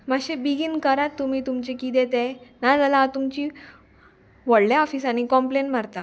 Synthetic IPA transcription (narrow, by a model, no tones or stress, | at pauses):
maɕebiɡinkəɾat̪ːumiːt̪umt͡ɕekit̪̬ẽt̪enad͡zalat̪umt͡ɕiː | ʋəɽlaɔfisañikɔ̃mpleɳʈmaɾt̪a